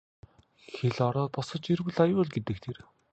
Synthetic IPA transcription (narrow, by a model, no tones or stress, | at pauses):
xeɮɔɾɔːt̪̚pɔsɞ̆t͡ɕiɾwɘ̆ɮajʊːɮɡet̪ɘ̆k̚t̪ʰer